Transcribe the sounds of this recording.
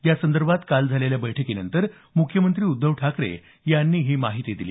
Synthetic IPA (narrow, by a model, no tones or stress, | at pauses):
jasənd̪əɾbʱat̪kald͡zʱaleljabəjʈʰəkinənt̪əɾ | mukʰjəmənt̪ɾiːud̪ːəʋʈʰakɾḛ | janːiːɦiːmaɦit̪id̪ilḭː